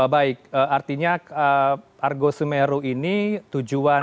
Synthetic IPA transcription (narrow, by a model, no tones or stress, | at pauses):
baɪk̚əart̪iɲaə | arɡosəmeɾoinit̪ud͡ʒua